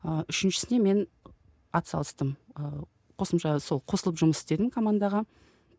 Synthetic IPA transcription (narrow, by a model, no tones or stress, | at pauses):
əʏʃɪnʃɪ̥sɪne̞me̞n | ɑt̪sɑ̰lˠəst̪əmə | qʰo̞səmʃɑso̞lˠqʰo̞səlˠəpʒʊməsɪ̥st̪e̞d̪ɪmkʰo̞mand̪ɑʁɑ